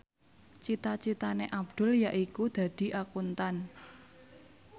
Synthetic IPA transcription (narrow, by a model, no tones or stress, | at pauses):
t͡ʃit̪at͡ʃit̪aneʔab̚d̪̥ʊ̤ljaʔikud̪̥ä̤d̪̥i̤ʔakunt̪an